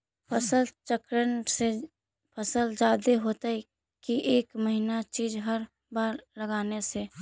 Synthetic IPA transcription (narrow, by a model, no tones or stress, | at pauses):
pʰəsəlt͡ʃəkɾənse | pʰəsəld͡ʒaːd̪eɦoːt̪ai | kiʔeːkməɦinat͡ʃiːd͡ʒɦəɾ | baːɾləɡaːnese